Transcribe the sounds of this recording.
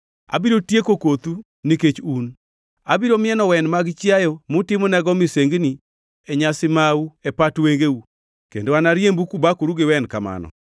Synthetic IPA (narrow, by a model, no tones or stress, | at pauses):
a̰biɾotjekokot̪u | niket͡ʃun | abiɾomɪɛnɔwɛnmaɡt͡ʃjajomʊtɪmonɛɡɔmiseŋɡni | ɛɲasɪmauɛpatweŋɡeu | kḛndoanaɾjembukubakuɾuɡɪwɛnkama̰nɔ̰